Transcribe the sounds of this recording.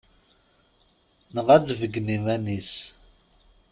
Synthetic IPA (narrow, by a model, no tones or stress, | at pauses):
nəʁædvəɡnimænis